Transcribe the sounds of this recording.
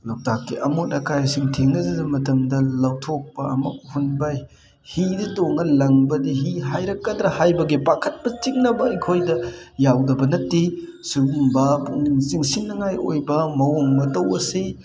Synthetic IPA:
lɐwtakːiʔɐmotɐkajasiŋtʰeŋɐzɐzɐmɐtɐmdɐlɐwtʰok̚pɐɐ̰mɐ̰k̚hunbaj | hiditoŋɐlɐŋbɐdiɦiɦajɾɐkːɐdɾɐhajbɐɡipakʰɐt̚pɐt͡ʃiŋnɐbɐɐjkʰojdɐjawdɐbɐnɐtːi | subumbɐpuniŋsiŋsiŋnɐŋajo̰jbɐmɐwoŋmɐtɐwɐsi

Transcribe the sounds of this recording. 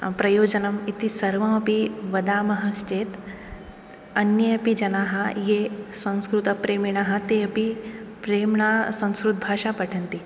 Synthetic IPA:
pɾɐjoːd͡ʒɐnɐmit̪isɐɾʋɐmɐpiʋɐd̪aːmɐɦɐst͡ʃeːt̪ | ɐnjɐjɐpid͡ʒɐnaːɦɐjesɐ̃w̃skɾut̪ɐpɾeːmiɳ̃aːɦɐ̆t̪eɐpipɾeːmɳasɐ̃w̃skɾut̪̚bʱaːʃapɐʈʰɐnt̪i

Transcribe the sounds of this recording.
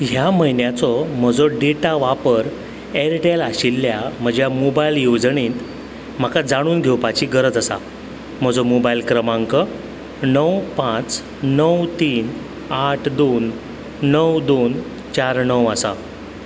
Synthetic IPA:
ɦjaməɦinjat͡sɔm̤əd͡zɔɖeʈaʋapəɾ | eɾʈelaɕilːjam̤əd͡ʑjamobailjod͡zɳĩt̪ | m̤akad͡zaɽ̃uːnɡʱewpat͡ɕiːɡəɾəd͡zəsa̰ | m̤əd͡zomobajilkɾəmãŋkə | nəwpãt͡s | nəwt̪iːn | aʈʰd̪onː | əwd̪on | t͡ɕaɾnəwəsa̰

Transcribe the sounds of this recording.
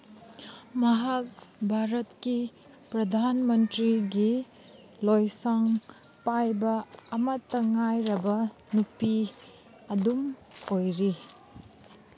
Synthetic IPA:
mɐɦak̚bʱaɾɐtki | pɾɐdʱanmɐntɾiɡi | lojsaŋ | pajbɐɐmɐtːɐŋajɾɐbɐnupi | ɐdumojɾi

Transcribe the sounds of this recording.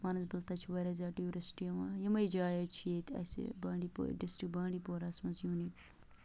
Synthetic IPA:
maːnɐs̬bɐlt̪ɐt͡ʃʰiʋɐɾɐzʲaːʈiuɾɐsʈijɐmajɐmɐjd͡ʒaːjɐt͡ʃʰijet̪ʲɐ̰sḭbaːɳɖipo̰ɖɪsʈik̚baːɳɖipoːɾɐsmɐnzjuːnik

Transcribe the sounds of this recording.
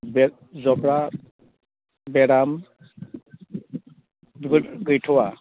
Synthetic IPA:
bɛ | zɔbɾa | bɛɾam | dɯɾɡɯjtʰɔwa

